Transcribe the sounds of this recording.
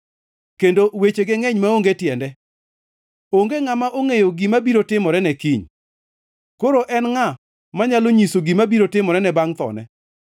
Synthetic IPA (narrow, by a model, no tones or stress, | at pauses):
kendowet͡ʃeɡɪŋɛɲmaoŋɡetjɛndɛ | oŋɡeŋamaʔoŋejoɡimabiɾotɪmɔɾɛnɛkiɲ | koɾoʔɛnŋa | maɲaloɲisoɡimabiɾotɪmɔɾɛnɛbaŋt̪ɔ̰nɛ̰